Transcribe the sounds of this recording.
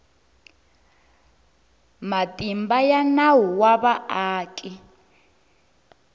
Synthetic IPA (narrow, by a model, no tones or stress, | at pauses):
matʼimbajanawuwaβaaːkʼi